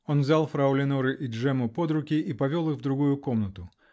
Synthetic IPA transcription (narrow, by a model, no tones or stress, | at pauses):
o̞nvzʲalˠfɾɐʊlʲɪnuɾɨʔid͡ʐɛmʊpo̞d̪ɾʊkʲiʔipɐvʲo̞lˠɨxvd̪ɾʊɡujʊko̞mnət̪ʊ